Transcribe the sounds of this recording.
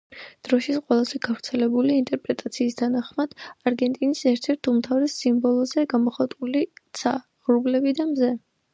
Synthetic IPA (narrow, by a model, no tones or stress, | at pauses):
d̪̥ɾɔʃit̪sqʼwɛlˠazɛɡ̥avɾt̪sʰɛlɛbuliint̪ʼɛɾpʼɾɛt̪ʼat̪sʰiːst̪ʰanaχmad̪̥aɾɡɛnt̪ʼinisɛɾt̪ʰɛɾt̪ʰumt̪ʰavɾɛsːimbɔlˠɔzɛɡamɔχat̪ʼulit̪sʰa | ʁɾublɛbid̪amzɛ